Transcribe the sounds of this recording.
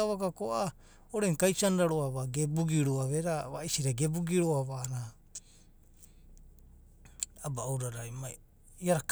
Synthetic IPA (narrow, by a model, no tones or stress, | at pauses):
aβakakoʔa | oɾeŋkajsanɾaɾoaβaɡebuɡiɾuaβeɾaβaisiɾaɡe̞buɡiɾoaβana | abaːwɾaɾajmaj | iaɾak